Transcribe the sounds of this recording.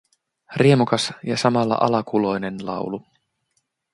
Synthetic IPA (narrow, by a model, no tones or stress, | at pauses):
riemukɑsjɑsɑmɑlːɑ̰ʔɑlɑkʰulo̞jne̞nlɑ̰wlu